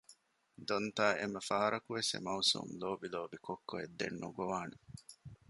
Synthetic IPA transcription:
d̪ont̪aːemːɐfaːɐɾɐkuʋesḛmɐusṵmloːbiloːbikokːoḛd̪ːḛnːuɡoʋaːne

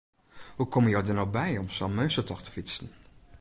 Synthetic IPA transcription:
hukɔməjɔwdənɔwbɛjɔmsamøɥsətɔxtə̥fitsən

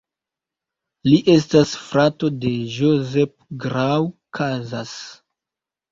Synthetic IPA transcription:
liʔe̞s̬tasfɾato̞de̞ʒozep̚ɡɾawkʰazas

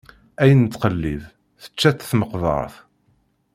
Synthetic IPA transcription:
æjənt̪ːqəlːið | θə̥t͡ʃːæt͡sːθməqvə̰ɾˤθ

